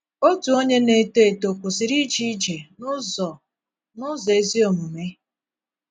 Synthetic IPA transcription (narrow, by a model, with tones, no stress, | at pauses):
o˦tu˨o˦ɲe˦ne˨te˦˨to˨kʷu˨si˨ɾi˦d͡ʒi˦d͡ʒe˨nʊ˦zɔ˨ | nʊ˦ze˦zi˦o˨mu˨me˦